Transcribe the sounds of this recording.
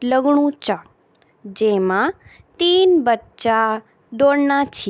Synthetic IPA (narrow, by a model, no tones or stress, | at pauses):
ləɡɳũt͡ʃa | d͡ʒemã | t̪inbətːt͡ʃa | d̪oɽnãt͡ʃʰi